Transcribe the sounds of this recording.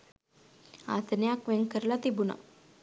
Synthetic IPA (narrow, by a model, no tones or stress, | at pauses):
a̰t̪njakʋeŋkəɾlat̪ibuna̰